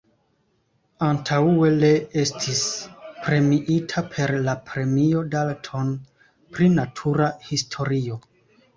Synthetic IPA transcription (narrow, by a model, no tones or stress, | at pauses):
antʰaue̞le̞e̞stʰispɾe̞miʔitʰapʰe̞ɾlapɾe̞mio̞daltʰo̞n | pɾinatʰuɾahistʰo̞ɾio̞